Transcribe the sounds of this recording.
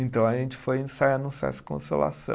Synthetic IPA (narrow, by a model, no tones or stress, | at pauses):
ẽnt̪ɐ̃w̃ɐʒẽnt͡ʃɪ̥fojẽsajanũsia̰ɾɛsɐ̥kõ̰sola̰sɐ̰̃